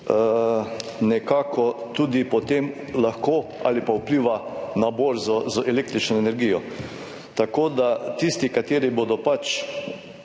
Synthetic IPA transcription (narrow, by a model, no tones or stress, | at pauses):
ə | nɛkaːkʰɔt̪uːd̪ipɔt̪em | laxkoa̰lipaupliːʋanaboːɾzɔzəɛleːk̚t̪ɾit͡ʃnɔɛnɛɾɡiːjɔ | t̪akoːd̪at̪ist̪ikat̪eːɾiboːd̪ɔpat͡ʃ